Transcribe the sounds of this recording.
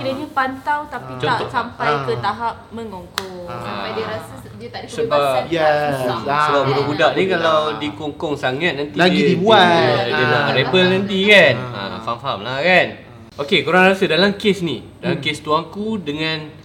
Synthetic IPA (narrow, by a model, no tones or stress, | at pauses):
kilaɲapant̪awt̪apit͡ʃɔnaɔsampajkət̪aɦap̚mə̃ŋoŋkɔŋaadɾasə | aisəbajɛ | səbap̚buɾobudaʔnikalawdikoŋkɔŋsaŋat̪̚nant̪ilaɡidibuadədaɾebəlnãnt̪̬ikanã̰famfamlahkan | ʔokekuɾaŋrasədalamkesnidalamkest̪uaŋkudəŋãn